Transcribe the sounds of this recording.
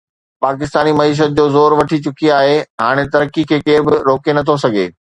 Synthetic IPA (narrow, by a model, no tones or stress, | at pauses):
paːkɪst̪aːnimɐiːʃ̬ət̪̚d͡ʑoːzoːɾʋɐʈʰit͡ɕʊkiaːɦeɦaːɽ̃et̪ɐɾkikʰeːkeːɾbɪɾoːkenɐt̪ʰos̬ɐɡʱḛː